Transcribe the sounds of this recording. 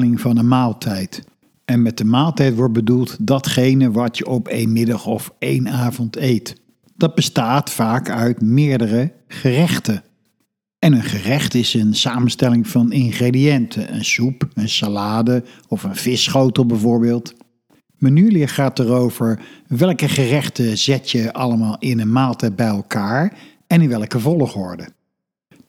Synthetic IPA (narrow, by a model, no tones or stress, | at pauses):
lɪŋvɑnənmaːlˠtʰɛjt | ɛnmɛt̚əmaːlˠtɛjtʋɔɹt̚bədulˠtdɑtχejnəʋɑtjəʔɔpḛjnmɪdɑχɔfejnaːvɔntejt | d̥ɑd̚bəstaːtfaːkœɥtmɪːɹdərə | χərɛχtə | ɛnənχərɛχtɪsənsaːmənstɛlɪŋv̥ɑnɪnχredijɛntʰəʔə̰nsupənsalaːdə | ɔfənv̥ɪsχowtəlˠbɛvʊːɹbɪːlˠt | mənylijəχaːtərowv̥əɹʋɛlˠkəχərɛχtəz̥ɛtjəʔɑləmaːlˠɪnənmaːtəbɛjɛlˠkaːɹ | ɛnɪnʋɛlˠkəvɔlˠəχɔɹdə